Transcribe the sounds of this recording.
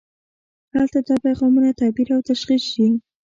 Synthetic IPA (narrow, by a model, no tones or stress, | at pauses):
halt̪ad̪ɑpajʁɑmunat̪abiɾawt̪aʃχisʃi